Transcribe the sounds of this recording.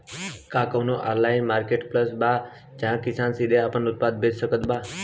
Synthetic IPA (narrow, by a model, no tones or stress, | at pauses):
kãːkəʋnoʔaːllaːɪnmaːɾkeːʈpləsbaː | d͡ʒãkɪsaːnsid̪ʱẽapənʊt̪̚paːd̪̚bʱeːd͡ʒsəkəd̪baː